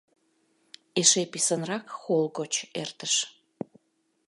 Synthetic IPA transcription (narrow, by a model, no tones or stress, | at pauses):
eʃepisənrɑkxolɣot͡ɕert̪əʃ